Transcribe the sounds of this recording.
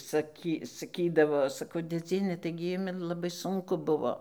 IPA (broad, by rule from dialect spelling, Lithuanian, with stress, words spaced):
sɐˈkʲiː sɐˈkʲiːdɐʋoː sɐˈkɐʊ dʲeːˈd͡zʲiɛnʲɛ ˈtɐɪɡʲɪ ˈjʊmʲɪ lˠɐˈbɐɪ ˈsʊŋkʊ ˈbʊʋoː